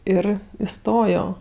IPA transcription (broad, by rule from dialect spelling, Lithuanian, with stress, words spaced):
ˈɪr ɪˈstoːjoː